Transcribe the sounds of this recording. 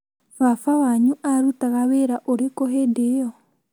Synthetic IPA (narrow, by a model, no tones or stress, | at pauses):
fafawaɲuʔaɾutaɣaweɾaʔoɾekoɦedejɔ